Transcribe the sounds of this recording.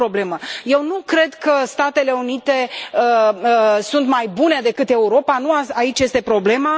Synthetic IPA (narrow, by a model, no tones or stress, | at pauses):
ɾo̞ble̞məje̞wnukɾe̞d̪kəst̪at̪e̞le̞unit̪e̞ə | sunt̪majbune̞d̪e̞kɨt̪e̞uɾo̞panuaait͡ʃʲje̞st̪e̞pɾo̞ble̞ma